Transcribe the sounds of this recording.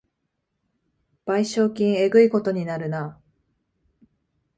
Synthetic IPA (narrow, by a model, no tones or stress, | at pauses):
b̥aiɕo̞ːkʲĩɰ̃e̞ɡɯ̟iko̞t̪o̞ɲ̟inaɾɯ̟na